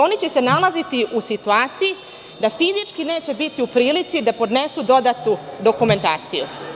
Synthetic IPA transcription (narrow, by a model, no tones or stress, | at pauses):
o̞nit͡ɕe̞se̞nalazit̪iʔusit̪uaːt̪siji | d̪afizit͡ʂkine̞ːt͡ɕe̞bit̪iupɾiːlit̪sid̪apo̞d̪ne̞sud̪o̞d̪at̪nud̪o̞kume̞nt̪a̰ːt̪sḭjṵ